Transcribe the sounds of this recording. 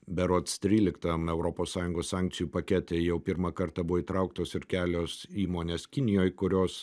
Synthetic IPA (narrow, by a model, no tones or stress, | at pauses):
bʲɛɾoɔt̪st̪ʲɾʲiːlʲɪkt̪ɐmɛʊɾoːpoːssɑːjʊŋɡoːssɑːŋk̪̚sʲɪjuːpɐkʲɛt̪ʲeːjɛʊpʲɪɾmɑkɐɾt̪ɑbʊʋoːit̪ɾɐʊk̚t̪oːsɪɾkʲæːlʲoːsiːmoːnʲeːskʲɪnʲɪjoːjkʊɾʲoːs